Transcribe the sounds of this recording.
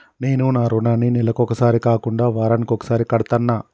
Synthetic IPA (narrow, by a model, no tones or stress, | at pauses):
ne̞ːnunaːɾunaːninilɐkɔkɐsaːɾikaːkuɳɖaːʋaːɾɐnikɔkɐ̥saːɾikɐɽɐt̪ɐnːaː